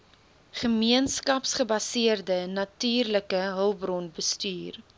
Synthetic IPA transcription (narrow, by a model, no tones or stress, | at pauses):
χəmiənskɐpsχəbɐsiərdənɐtyːrləkəɦəlˠbrɔnbəstyːr